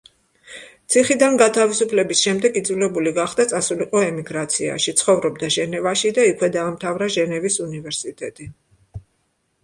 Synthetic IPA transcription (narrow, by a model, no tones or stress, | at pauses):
t̪sʰiχid̪anɡat̪ʰavisupʰlɛbisʃɛmd̪ɛɡid̪zulɛbuliɡaχd̪at̪sʼasuliqʼɔɛmiɡɾat̪sʰia̰ʃit̪sʰχɔvɾɔbd̪aʒɛnɛvaʃid̪aikʰwɛd̪aːmt̪ʰavɾaʒɛnɛvisunivɛɾsit̪ʼɛt̪ʼi